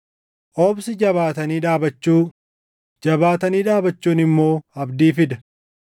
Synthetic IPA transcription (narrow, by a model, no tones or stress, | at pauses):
ʔɔːbsɪd͡ʒɐβaːt̪ɐniːᶑaːbɐt͡ʃːuː | d͡ʒɐbaːt̪ɐniːᶑaːbɐt͡ʃːuːnɪmːo̞ːɐbd̪iːfɪd̪ɐ